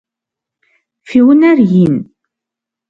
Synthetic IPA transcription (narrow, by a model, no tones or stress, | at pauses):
fiwənæɾjin